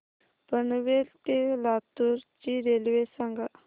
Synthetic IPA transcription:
pənʋelt̪elat̪uɾt͡ɕiɾelʋesaŋɡa

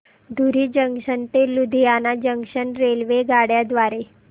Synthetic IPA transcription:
d̪ʱuɾiːd͡ʑəŋɕənt̪elud̪ʱijanad͡ʑəŋɡɕəɳɾelʋeɡaɽjad̪ʋaɾe

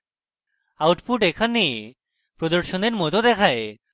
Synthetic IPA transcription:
awʈpuʈekʰanːie | pɾod̪oɾʃoneɾmot̪od̪ɛkʰae

